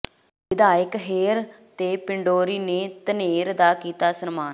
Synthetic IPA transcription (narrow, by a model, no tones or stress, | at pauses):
ʋɪd̪aːjɪkɦeːɾ | t̪eːpɪɳɖoːɾiːneːt̪əneːɾd̪aːkiːt̪aːsənmaːn